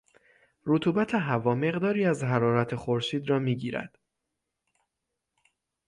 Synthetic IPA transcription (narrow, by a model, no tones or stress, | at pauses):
ɾot̪ʰuːbæt̪ʰe̞ɦævɒːme̞ɣd̪ɒːɾiːæzɦæɾɒːɾæt̪ʰexoɾʃiːd̪ɾɒːmiːɟiːɾæ̰d̪̥